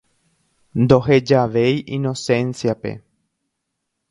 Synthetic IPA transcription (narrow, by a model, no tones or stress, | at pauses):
nd̪o̞ɦe̞d͡ʒaʋe̞jʔino̞sẽ̞nsjape̞̰